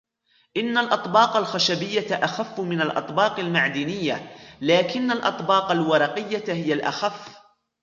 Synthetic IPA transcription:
ʔɪnːalʔɑt̪ˤbɑːqalxaʃabɪjːaʔaxafːmɪnalʔɑ̰t̪ˤbɑːqalmaʕd̪iːnɪjːalaːkɪnːalʔɑ̰t̪ˤbɑːqalwɑɾˤɑqɪjːahɪjalʔa̰xafː

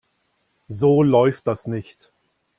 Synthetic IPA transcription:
zoːlɔʏft̚d̥asnɪçt

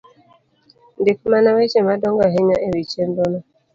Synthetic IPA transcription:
n̩dɪkmanawet͡ʃemadɔŋɡaɦeɲaʔeɾit͡ʃendɔnɔ

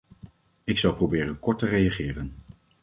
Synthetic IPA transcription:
ɪksʌwprowbɪːɾənkɔɹtərejaχɪːrən

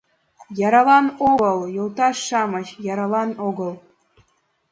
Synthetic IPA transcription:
jɑɾɑlˠɑnoɡɤlˠjolˠt̪ɑʃːɑmɤt͡ɕjɑɾɑlˠɑnoɡɤlˠ

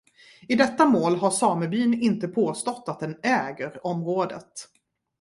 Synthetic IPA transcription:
ɪd̪ɛt̪ːamoːlɦasɑːməɾbyːnɪnt̪əpʰoːst̪ɔt̪ːat̪̚d̪ɛnɛːɡəɾɔmɾoːd̪ə̰t̪

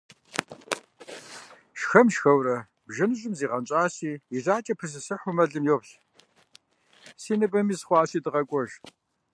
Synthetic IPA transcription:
ʃxɐmʃxɐwrɐ | bʒɐnɨɕʼɪmziːʁɐnt͡ʃʼaːsiːiɮaːt͡ʃʼɐpʰɨs̬ɨsɨħʷʊmɐɮɨmjoːpɬ | siːnɨpʼɐmiːsχʷɑːɕiːdɨʁɐkʷʼɔʒ

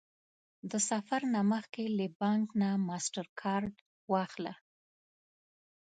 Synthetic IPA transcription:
d̪əsafaɾnaməxkeləbɑŋknamɑsʈaɾkʰɑɾɖ | wɑxla

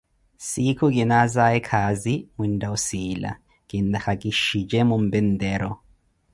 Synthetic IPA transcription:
sikʰuk̬ʼinazaɛkʰazimwindausiːla̰ | kʼindaxakʼiʃid͡ʒɛmum̩bɛndɛːɾɔ

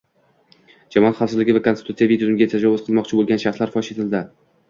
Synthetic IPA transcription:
d͡ʒamɒɑt̪χɑsɨzlɪɡʲɪvakonsɪt̪ut̪sijavid̪ojʊmɡʲat̪ʰad͡ʒɒvʊz̥qʰɨlˠmɒqt͡ʃʰɪbolˠɡʲanʃaχslaɾfɒʃet̪ʰɪld̪ɪ

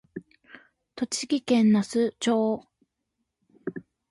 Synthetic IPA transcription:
t̪o̞t͡ɕiɡʲikẽ̞nːasɨt͡ɕoː

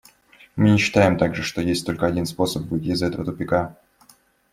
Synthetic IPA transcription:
mɨnʲɪɕːɪ̥t̪ajɪmt̪aɡʐɨʂt̪o̞jesʲtʲt̪o̞lʲkəɐdʲinspo̞səpvɨtʲizɐɛt̪əvət̪ʊpʲɪka

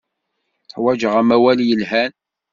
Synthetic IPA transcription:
θħwæd͡ʒəʁæmæwæljəlhæn

